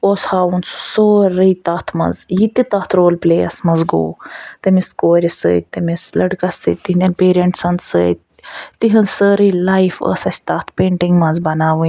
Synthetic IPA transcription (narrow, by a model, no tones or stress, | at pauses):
oːshaːwunsu̥soːɾɨjt̪aːt̪ʰmɐ̰zjit̪it̪aːt̪ʰɾoːlpleːɐ̰smɐzɡo̰ːt̪ɐmiskoːɾʲisə̰ːt̪ːɐmislɐɖkɐsɨ̰t̪ːiind̪ʲɐnpeːɾeɳʈsɐnd̪sə̰ːt̪ | t̪iɦɐnzsəɾɨlajfə̰ːsɐsʲt̪aːt̪ʰpeːɳʈiŋɡmɐnzbɐnaːʋɨ